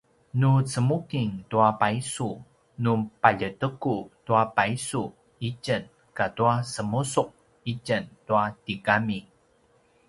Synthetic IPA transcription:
nut͡səmukiŋtuapaisu | nupaʎətəkutuapaisu | icən | katuasəmusuq̚ | icəntuatikami

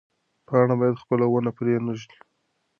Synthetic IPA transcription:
pɑɽ̃abɑjad̪xpəlawənapɾenəʒli

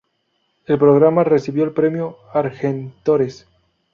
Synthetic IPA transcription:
e̞lpɾoɣ̞ɾamare̞siβjo̞elpɾe̞mjo̞aɾxent̪oɾes

